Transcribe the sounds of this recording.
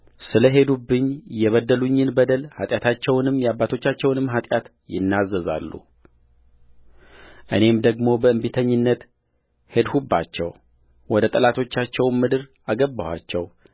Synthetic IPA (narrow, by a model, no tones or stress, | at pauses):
sɨləɦe̞d̪ubːɨɲːjɛβəd̪əluɲːɨnbəd̪əlhat̪ʼjat̪ʰat͡ʃːɛwnɨmjabːat̪ʰo̞t͡ʃːat͡ʃːɛwnɨmːɦat̪ʼjat̪ | jɪ̰nːazːəza̰lːṵ | ʔɨne̞md̪əɡmo̞bəɨmbit̪ʰəɲːɨnːət̪ | he̞d̪hubːat͡ʃːɛ̰w | wɔd̪ət̪ʼəlat̪ʰo̞t͡ʃːat͡ʃːɛwmːɨd̪ɨɾʔaɡəbːawa̰t͡ʃːɛw